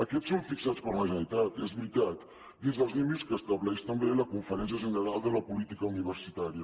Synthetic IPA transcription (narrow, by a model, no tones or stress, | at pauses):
əkɛt͡ssːoɱfiksat͡spərməʒənit̪at̪ezβɾit̪at̪ | d̪inzðəlˠznimiskəːst̪əβlɛʃt̪əmbeləkuɱfəɾɛnsiəʒənəɾalˠd̪ələpulit̪ikəuniβ̞əɾsit̪aɾiə